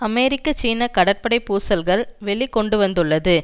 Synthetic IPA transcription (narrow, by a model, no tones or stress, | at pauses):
ɐmɛːɾɪkːɐt͡ʃiːnɐkɐɽɐɾpɐɽɐɪpuːsɐlɣɐɭʋɛɭikːɔɳɖɯʋɐnd̪ɯɭːɐðɯ